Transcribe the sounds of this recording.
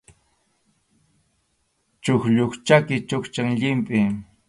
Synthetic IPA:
t͡ʃʊxʎʊχt͡ʃakɪt͡ʃʊkt͡ʃaŋʎɪmpʼɪ

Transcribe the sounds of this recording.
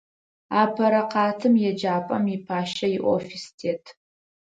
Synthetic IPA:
aːpʰɐɾɐqɑːtʰɨmjɛd͡ʒaːpʼɐ̰mipʰaːʃɐjɪʔʷofistʰeːtʰ

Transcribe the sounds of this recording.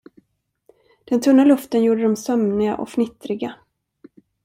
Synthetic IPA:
d̪̥ɛnt̪ʰɵnːalɵft̪ənjuːɖəd̪ɔmsœmnɪɡa̰ʔɔ̰kfnɪt̪ɾɪɡa

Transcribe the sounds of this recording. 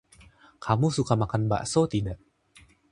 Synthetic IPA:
kʰamusukamakanba̰ʔsot̪idaʔ

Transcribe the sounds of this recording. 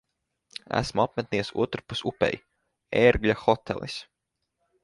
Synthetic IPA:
æ̰smuapmɛt̪niɛsṵɔt̪ɾupusupʲɛ̰j | eɾɡʎʲaxɔt̪ʰɛ̰lˠis

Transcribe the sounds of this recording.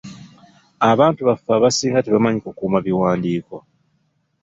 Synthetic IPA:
aβaːntuβafːaβasiːŋɡateβamaɲikukuːmaβiwaːndiːko

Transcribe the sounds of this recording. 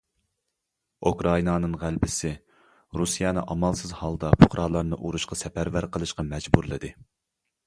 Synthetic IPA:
ukɾɑinɑnɨŋʁælbɪsɪ | ɾusijɛnɨʔɑmɑlˠsɨzhɑlˠd̪ɑpʰʊ̥χɾʔɑlˠɑɾnɨʔuɾuʃqɑsɛpæɾvæɾqʰəlˠɨʃqɑmɛd͡ʒbuɾlˠɨd̪ɨ

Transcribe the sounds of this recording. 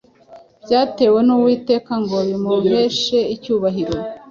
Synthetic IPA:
bɟaːte̞ːwe̞nuwiːte̞ːkaŋɡo̞βimume̞ʃe̞icuːβaɦiɾo

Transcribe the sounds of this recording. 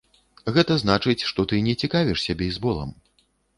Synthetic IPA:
ɣɛt̪ɐznat͡ʂɨt͡sʲʂt̪ɔt̪ɨnʲɛt͡sʲikavʲiʂsʲabʲɛjzbɔlˠɐ̰m

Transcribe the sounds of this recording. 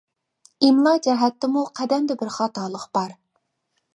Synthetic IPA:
imlˠɑd͡ʒɛɦɛt̪ːɪmuqʰæd̪ɛmd̪ɛbɪɾχɑːt̪ɑːlˠəqb̥ɑɾ

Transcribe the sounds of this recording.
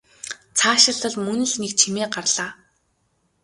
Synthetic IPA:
t͡sʰaːʃɪ̆ɮə̆ɮmɵnɘ̆ɮnekt͡ɕʰimeːɢarɮaː

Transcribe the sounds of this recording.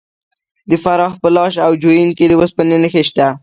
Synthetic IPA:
d̪əfaɾɑxpəlɑʃawd͡ʒojinked̪əwəspənənəxeʃt̪a

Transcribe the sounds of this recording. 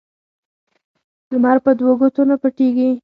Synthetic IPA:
d̪̥əmaɾpəd̪woɡot̪onapəʈeɡi

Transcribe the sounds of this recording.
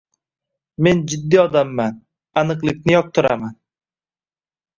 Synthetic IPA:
me̞nd͡ʒɪd̪ːiɒd̪amːan | anɨqlˠɪk̚ʲnɪjɒq̚t̪ʰʊɾa̰man

